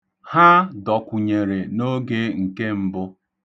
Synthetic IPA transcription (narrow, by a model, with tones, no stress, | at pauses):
ha˦dɔ˨kʷu˨ɲe˨ɾe˨no˦ɡe˦ŋ̩˨ke˦m̩˦bʊ˦